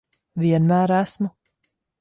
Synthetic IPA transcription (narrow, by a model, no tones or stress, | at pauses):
viɛnmæːɾæsmu